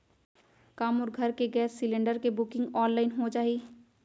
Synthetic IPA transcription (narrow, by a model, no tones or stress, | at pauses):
kaːmʊːɾɡʱɐɾkeɡɛːsːɪlẽɳɖəɾkebʊkɪ̃ŋɡɔːnlaːɪnɦõt͡ʃaːɦi